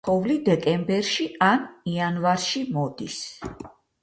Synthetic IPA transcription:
ɔvlid̪ɛkʼɛmbɛɾʃianianvaɾʃimɔd̪is

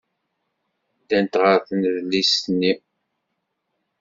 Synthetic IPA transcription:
d̪ænt̪ʁəɾθənðlːisnːi

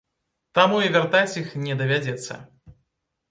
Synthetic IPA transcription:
t̪amuivʲart̪at͡sʲixnʲɛd̪ɐvʲad͡zʲɛt̪sːɐ̰

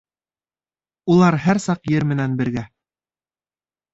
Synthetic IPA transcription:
ulˠɑɾɦæɾsɑqjɘɾmɘ̆nænbɘ̆ɾɡæ

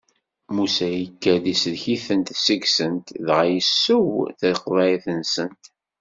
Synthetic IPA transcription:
musæjəkːæðisðçiθənt̪səɡsənt̪ðʁajəsːəwθəɾqvæjiθənsənt̪

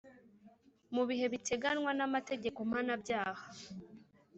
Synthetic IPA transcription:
muβiɦe̞βitʰeɡanŋwanamate̞ɟe̞ko̞m̥hanabɟaːhḁ

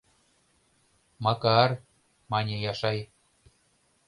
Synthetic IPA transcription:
mɑkɑr | mɑnʲejɑʃɑj

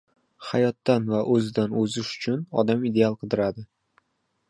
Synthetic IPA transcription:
hajɒt̪ːanvaʔɵzɪd̪anɵzɪʃʊ̥t͡ʃʰʊnɒ̰d̪amid̪e̞alˠqʰɨd̪ɪɾad̪ɪ

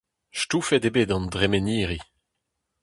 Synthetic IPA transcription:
ʃtuːfɛdebeːdɑ̃ndʁemeniːʁi

